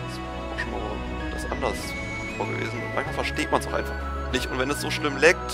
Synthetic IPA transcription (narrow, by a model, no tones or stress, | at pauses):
sv̥ɛ | aʊxʃoːma̰ː | d̥asʔa̰ndɐs | foːɐɡə̰vḛːzn̩ʊntmã̰nçmalfɛɐʃteːt̚mansoʊχʔaɪfaχ | nɪçtʊntv̥ɛnɛsz̥oːʃlɪmlɛk̚t